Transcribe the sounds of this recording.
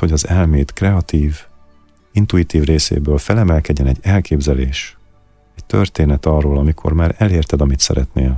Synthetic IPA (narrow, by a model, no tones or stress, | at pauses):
ho̞ɟɒzɛlmeːt̪krɛɒt̪iːv | int̪uit̪iːvreːsḛːbøːlfɛlɛmɛlkɛɟːɛnɛɟːɛlkeːbzɛleːʃ | ɛct̪ørt̪eːnɛt̪ɒrːoːlɒmikʰo̞̰rmaːɾɛleːrt̪ɛd̪ɒmit̪sɛ̰ɾɛ̰t̪neːl